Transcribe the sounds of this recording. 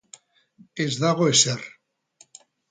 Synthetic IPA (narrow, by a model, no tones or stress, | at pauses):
ezðaɣoeser